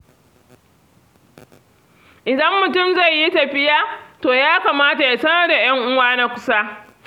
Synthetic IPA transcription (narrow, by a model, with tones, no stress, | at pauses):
ʔɪ˨dɐ˦mːʊ˨tʊ˦˨mza˦˨jːi˦tɐ˨ɸɪ˦jaː˦toː˨jaː˦kaː˨maː˦ta˨ja˨sɐ˦nɐ˦rda˨j̰ɐ˦ŋʔʊ˦waː˦na˦kʷʊ̥˦saː˦